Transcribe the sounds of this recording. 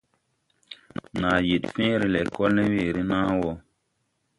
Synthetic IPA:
naː˨je˨tfẽ˦ɾi˦lɛ˨kɔ˦lne˦we˦˨ɾi˦nãː˦wɔ˨

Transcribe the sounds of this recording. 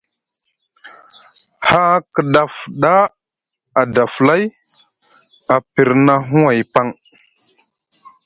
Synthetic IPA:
ha˦kə˨ɗa˨fɗa˦ | a˨da˨fla˦j | a˨pi˨ɾna˦ɦu˦wa˨jpa˦ŋ

